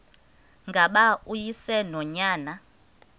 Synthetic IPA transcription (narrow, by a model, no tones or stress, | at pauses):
ŋɡʱaɓaujisɛnɔɲaːna